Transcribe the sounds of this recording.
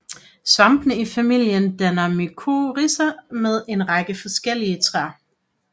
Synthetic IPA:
sʋɑ̈mb̥nəifæmil̰jənd̥ænɐmikʰoʁisɐmeð̞ˠe̝nʁɑ̈ɡ̥əfɒ̽sɡ̥el̰iət͡sʰʁɑ̰

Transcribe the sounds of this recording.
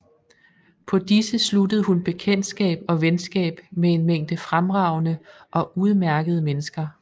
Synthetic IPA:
pʰɒ̽d̥isəsludəð̞̩ˠhunb̥e̝kʰen̰d̥sɡ̥ɛ̰ːb̥ɒ̽ʋensɡ̥ɛ̰ːb̥mee̝nmeŋ̰d̥əfʁamʁɑ̈ʊnəʔɒ̽ʔuð̞ˠmæɐɡ̥əð̞ˠəmenəsɡ̥ɐ

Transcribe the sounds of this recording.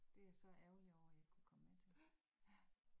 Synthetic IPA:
d̥e̝æɐsɒ̽ʔæʊliɒʊ̰æjɑ̈ɪkʰukʰɒ̽mmet͡sʰe̝l

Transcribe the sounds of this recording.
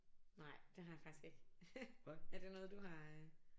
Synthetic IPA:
nɑ̈ɪ̰d̥e̝ɦɑ̈jäfɑ̈ɡ̥i̥sɡ̥e̝ɡ̥ | æɐd̥e̝nɔ̽ːð̞̩ˠd̥uɦɑ̈

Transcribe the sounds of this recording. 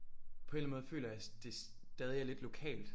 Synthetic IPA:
pʰɒ̽e̝nnmɔ̽ːðˠfø̰ːlɐæd̥e̝s | d̥ɛːðˠiæɐle̝d̥lo̝kʰɛ̰ːld̥

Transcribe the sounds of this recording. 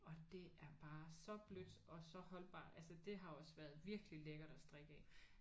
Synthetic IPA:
ɒ̽d̥e̝æɐb̥ɑ̈ːsɒ̽b̥lød̥ɒ̽sɒ̽hɒ̽l̰b̥ɑ̰̈ːʔælsəd̥e̝ɦɑ̈joɒ̽sʋæɐð̞ˠʋiɐɡ̥əlileɡ̥ɐd̥ɒsd̥ʁɛɡ̥ɛː

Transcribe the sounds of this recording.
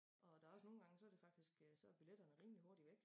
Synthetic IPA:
ʔɒ̽d̥æ̈ɒ̽səno̝ːn̩ɡ̥ɑ̈ŋəsɒ̽æɐde̝fɑ̈ɡ̥d̥isɡ̥sɒ̽æb̥iled̥ɐnəʁiːmliɦoɐ̰ɾ̥iʋeɡ̥

